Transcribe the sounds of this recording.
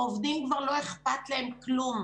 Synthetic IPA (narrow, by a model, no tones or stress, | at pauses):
ovd̪imkvaʁlo̞eχpat̪leemklum